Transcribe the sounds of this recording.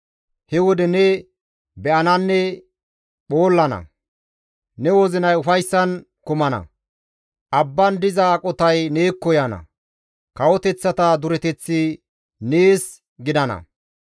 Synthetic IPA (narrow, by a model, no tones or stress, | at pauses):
hɛwɔd̪ɛnɛ | bɛʔɐnɐnːɛ | ɓo̞ːlːɐnɐ̰ | nɛwɔzɪnɐjʊfɐjsːɐn | kʊmɐnɐ̰ | ʔɐbːɐnd̪ɪzakʼɔt̪ɐjne̞ːkːɔjɐnɐ̰ | kɐwɔt̪ɛt͡sːɐt̪ɐd̪ʊɾɛt̪ɛt͡sːɪ | neːs | ɡɪd̪ɐnɐ̰